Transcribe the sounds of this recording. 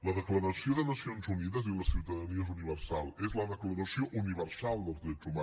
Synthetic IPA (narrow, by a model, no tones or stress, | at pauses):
ləðəkləɾəsioðənəsionzuniðəziləsiuwt̪əðəniəezuniβəɾsalˠezləðəkləɾəsioʔuniβəɾsalˠd̪əlˠzðɾɛd͡zuma